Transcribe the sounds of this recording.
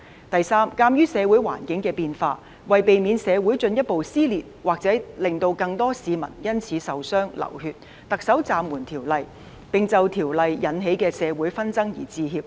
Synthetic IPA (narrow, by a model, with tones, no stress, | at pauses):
t̪ɐ˨jsaː˥mkaː˧mjyː˥sɛː˨˧wuː˨˥jwa̰ː˨˩nkɪ˨˥ŋkɛː˧piː˨˧nfaː˧ | wɐ˨jpe˨jmiː˨˧nsɛː˨˧wu˨˥jt͡ʃɵ˧njɐ˥t̚po˨wsiː˥liː˨t̚waː˨k̚t͡sɛː˨˥lɪ˨ŋt̪o˧wkɐ˧ŋt̪ɔː˥siː˨˧mɐ̰˨˩njɐ˥nt͡sʰiː˨˥sɐ˨wsœː˥ŋlɐ̰˨˩whyː˧t̚ | t̪ɐ˨k̚sɐ˨˥wt͡saː˨˧mwuː˨˩nt̪ʰiː˨˩wlɐ˨j | pɪ˨ŋt͡sɐ˨wt̪ʰiː˨˩wlɐ˨jːɐ˨˥nɦe˨˥jkɛː˧sɛː˨˧wuː˨˥jfɐ˥nt͡sɐ˥ŋjḭː˨˩t͡siː˧ɦiː˧p̚